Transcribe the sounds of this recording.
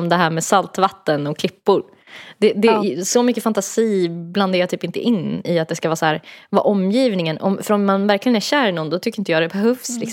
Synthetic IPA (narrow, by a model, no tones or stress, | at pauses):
md̪ɛɦæːɾmɛsalt̪vat̪ːənɔkʰlɪpːʊɾ | d̪ɛd̪ɛsɔmʏkːəfant̪asiːbland̪eːɾat̪ʰyːpɪnt̪ə̰ʔɪnːɪat̪̚d̪ɛskavɑːsɔhæːɾvɑ̰ːʔɔmːjiːvnɪŋənʔɔ̰mfœɾɔmːanvæɾklɪɡənæɾɕæːɾnɔnːd̪ɔt̪ʰʏkːɾɪnt̪əjɑːd̪ɛbɛɦœvslɪks